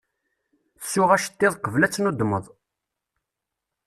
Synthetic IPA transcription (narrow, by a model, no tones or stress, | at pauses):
sːʊʁæʃə̥t̪ːɪðˤqəvlæt͡sːnud̪mə̰ðˤ